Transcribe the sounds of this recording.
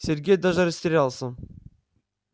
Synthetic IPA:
sʲeɾɡʲejd̪ɑʒɑɾisʲt̪eɾɑlˠsən

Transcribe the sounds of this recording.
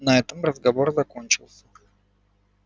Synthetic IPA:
nɐɛt̪əmrəzɡɐvo̞rzɐko̞nʲt͡ɕɪlˠsʲə̥

